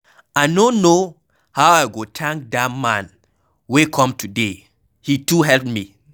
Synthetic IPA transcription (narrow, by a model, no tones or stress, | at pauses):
aɪnono | hawaɪɡotʰãŋk̚datmãn | wekʰɔ̃mtʰude | hituɦɛlpmi